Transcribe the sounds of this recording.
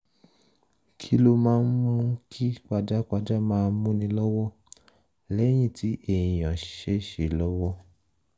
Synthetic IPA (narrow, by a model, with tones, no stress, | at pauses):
kʰi˦lo˦mãː˦n̩˦mũ˦kʰi˦k͡pa˧d͡ʒa˦k͡pa˧d͡ʒa˦mãː˦˧˦mũ˦nĩ˧lɔ˦wɔ˦ | lɛ˦j̃ĩ˦˨tʰi˨˦ʔe˨j̃ĩ˨j̃ã˨ʃe˦ʃe˨lɔ˦wɔ˦